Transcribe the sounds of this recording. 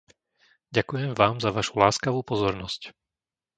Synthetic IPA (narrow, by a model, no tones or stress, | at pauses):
ɟakujɛmvaːmzaʋaʃu̥laːskaʋuːpɔzɔɾnɔsc